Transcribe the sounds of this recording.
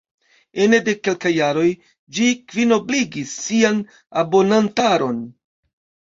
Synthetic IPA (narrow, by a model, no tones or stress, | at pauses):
enede̞ke̞lkajːaɾo̞j | d͡ʒikvino̞bliɡisːian | abo̞nantaɾo̞n